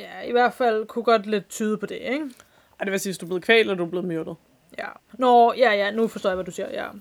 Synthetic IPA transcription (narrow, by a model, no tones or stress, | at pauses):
jæiʋæɐ̰d̥fæl̰kʰuɡ̥ɒ̽d̥le̝d̥̚t͡sʰyːð̞ˠəpʰɒ̽d̥e̝eɡ̥ | ad̥eʋesiːʋesd̥ub̥le̝ð̩ˠkʰʋɛ̰ːldɐd̥ub̥le̝ːmøɐd̥ð̩ˠ | jænɒjæjænufɒsdo̰ːjaʋædusiɐjæ̰